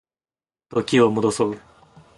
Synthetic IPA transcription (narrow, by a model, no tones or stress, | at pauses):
t̪okʲiomod̪osoɯ̟